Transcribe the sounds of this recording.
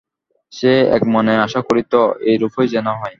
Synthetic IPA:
ʃeɛ̰kmɔneaʃakoɾit̪oejɾufojd͡ʑenaɦɔe

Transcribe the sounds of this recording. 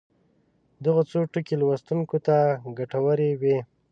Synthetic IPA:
d̪əɣot͡soʈəkelwast̪uŋkot̪aɡaʈawəɾewe

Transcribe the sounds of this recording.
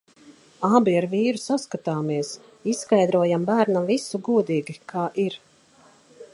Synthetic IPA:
abiaɾviːɾusaskat̪aːmiɛs | isskajd̪ɾuɔjambæːɾnavisuɡuɔd̪iːɡikʰaːʔiɾ

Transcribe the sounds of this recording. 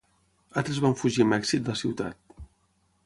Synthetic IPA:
alˠt̪ɾezβaɱfuʒimɛksit̪̚d̪siwt̪a̰t̪̚

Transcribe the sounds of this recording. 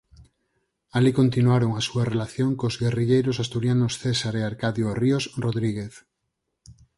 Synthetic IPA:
alikont̪inuaɾoŋasuarelaθjoŋkozɣeriʎejɾosast̪uɾjanosθesaɾeaɾkaðjoriosroðɾiɣeθ

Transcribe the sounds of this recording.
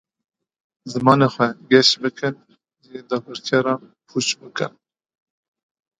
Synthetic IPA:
zɨmɑːnexʷɛɡɛʃbɨkɨn | ʒed̪ɑːbɨɾt̪ʰɛɾɑːnpʰut͡ʃbɨkɨ̰n

